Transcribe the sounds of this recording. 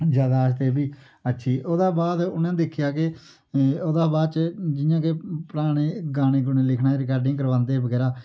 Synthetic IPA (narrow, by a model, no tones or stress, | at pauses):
d͡ʒjaːd̪aːəst̪eːbiː | ətːʃʰiːʔoːd̪ãːbaːd̪ʊnãːd̪ɪkʰːɪjaːkɪ | oːd̪aːbaːd̪t͡ʃd͡ʒɪjãːkepəɾaːɽ̃eːɡaːñeːɡʊnẽːlɪkʰnaːeɾɪkaːɾɖɪ̃ːkəɾʋãːnd̪eːbəɡɛːɾaː